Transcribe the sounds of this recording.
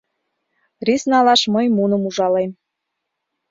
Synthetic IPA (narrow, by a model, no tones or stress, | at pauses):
risnɑlɑʃməjmunɤ̆muʒɑlem